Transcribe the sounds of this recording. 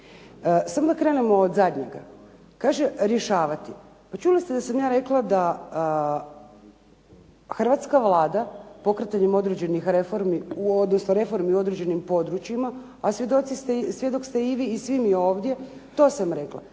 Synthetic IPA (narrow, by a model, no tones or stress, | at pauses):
samod̪akɾe̞ne̞mo̞ːd̪zad̪ɲḛɡa | kaːʒeɾjeʃaːʋat̪i | pat͡ʃulist̪ed̪asamjaːɾe̞klˠad̪a | xr̩ʋat̪skaʋlˠaːd̪apo̞kɾet̪aɲemo̞d̪ɾed͡ʑe̞nixɾefo̞ɾmiuo̞d̪nosnoɾe̞fo̞ɾmiuo̞d̪ɾed͡ʒe̞nimpo̞d̪ɾut͡ɕjima | asʋjed̪o̞t̪sist̪esʋje̞d̪o̞kst̪eiʋiːsʋimio̞ːʋd̪ʲje̞ | t̪o̞ːsamɾe̞kla̰